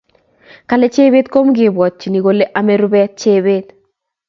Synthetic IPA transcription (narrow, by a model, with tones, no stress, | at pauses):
ka˨le˦t͡ʃe˦be˦t̪ko˦mɡɪ˨bwɔ˨t̚t͡ʃi˨ni˨ɡo˨le˦ʔa˦me˦ɾu˦bɛ˦t͡ʃe˦be˦t̪̚